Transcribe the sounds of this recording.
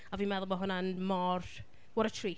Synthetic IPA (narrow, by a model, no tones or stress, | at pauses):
aviːmɛðʊlˠmaɦʊnanmɔr | wɔɾətʰriː